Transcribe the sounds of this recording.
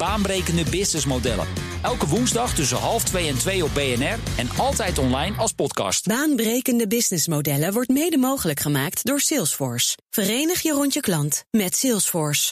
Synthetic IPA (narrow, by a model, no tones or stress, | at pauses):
b̥aːnbrejkəndəbɪsnɪsmodɛ̰lə̰ | ɛlˠkəʋunzdɑχtɵs̬əɦɑlˠftʋejɛntʋejɔb̚beɛnɛrɛnɑlˠtɛjtɔnlɛjnɑlˠspɔtkɑ̰stbaːnbrejkəndəbɪsnɪsmowdɛləʋɔɹtmejdəmowχələkχəmaːktdʊːɹsɪlˠsfɔɹsfərejnəχjərɔntjəklɑntmɛtsɪlˠsfɔɹs